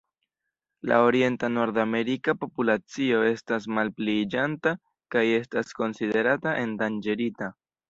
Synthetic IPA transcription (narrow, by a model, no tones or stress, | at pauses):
la̰o̞ɾie̞ntano̞ɾdame̞ɾikapo̞pulat͡sio̞e̞stas̬malpled͡ʒanta | kaje̞stasko̞nside̞ɾataʔe̞ndand͡ʒe̞ɾita